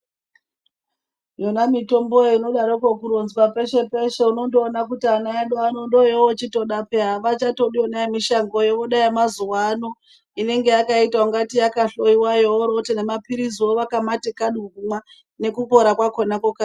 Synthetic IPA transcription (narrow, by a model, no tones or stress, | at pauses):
jonamito̞mbojeino̞ɗaɾokokuɾonzwape̞ʃe̞pe̞ʃeuno̞ndoːnakutianaaɗoanondojeot͡ʃito̞ɗapeɦaʋat͡ʃato̞ɗionaemiʃaŋɡo̞jeʋoɗaimazuwano̞ | ine̞ŋɡe̞jakaitauŋɡatijakaɬo̞iwajooɾo̞tenemapiɾiziwoʋakamatekaɗuumwa | ne̞kupo̞ɾakwakonakoka